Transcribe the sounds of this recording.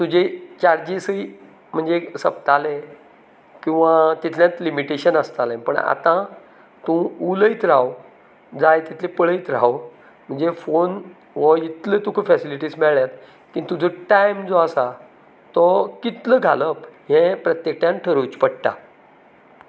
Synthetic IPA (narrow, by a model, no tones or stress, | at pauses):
t̪ud͡ʑet͡ɕaɾd͡ʑisəi | m̤əɳd͡zesəp̚t̪ale | kĩw̃ʋat̪it̪ʰljãt̪limiʈeɕənəst̪alẽpə̰ɳa̰t̪ã | t̪ũuləjt̪ɾaw | d͡zajt̪it̪ʰlepəɭəjt̪ɾaw | m̤əɳd͡zefon | ʋɔit̪lət̪ũkʰəfɛsiliʈiːsmɛɭɭjat̪ | kĩnt̪ud͡zoʈajmd͡zoasa | t̪ɔkit̪ləɡʱaləpjɛ̃pɾət̪jek̚ʈjãnʈʰəɾojt͡ɕpəɽt̪a̰